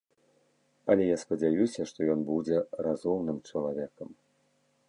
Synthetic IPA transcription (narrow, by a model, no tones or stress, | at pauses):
ɐlʲɛjaspɐd͡zʲajusʲɐʂt̪ɔjɔnbud͡zʲɛrazumnɨmt͡ʂɐlˠavʲɛkɐm